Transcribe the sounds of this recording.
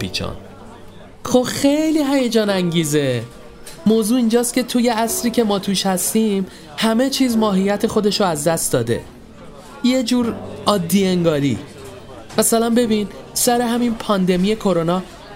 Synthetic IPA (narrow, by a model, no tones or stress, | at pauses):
pḭːt͡ʃʰɒ̰ːn | xoxe̞jliːɦæjed͡ʒɒːnæŋɟiːze | moːzuːind͡ʒɒːst̪̚cʰe̞t̪ʰuje̞æsɾiːcʰe̞mɒːt̪ʰuːʃhæst̪iːm | hæme̞t͡ʃʰiːzmɒːɦijæt̪ʰe̞xo̞d̪e̞ʃoæzd̪æst̪d̪ɒːd̪e̞̰ | je̞d͡ʒuːɾɒːd̪ːiːeŋɡɒːɾḭ | mæsælænbe̞bin | sæɾe̞ɦæminpʰɒːnd̪e̞mije̞kʰo̞ɾo̞nɒː